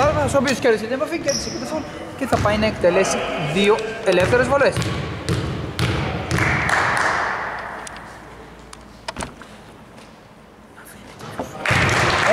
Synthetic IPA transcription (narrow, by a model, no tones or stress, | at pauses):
ɐɾnsop̬iosceɾðiset̪inepɐficeɾðisecet̪efol | ce̞θɐpɐjnɐekt̪e̞le̞siðio̞ele̞fθe̞ɾezvole̞s